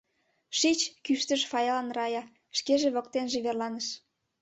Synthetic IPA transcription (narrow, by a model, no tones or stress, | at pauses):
ʃit͡ɕkyʃt̪əʃfɑjɑlɑnrɑjɑ | ʃkeʒeβokt̪enʒeβerlɑnəʃ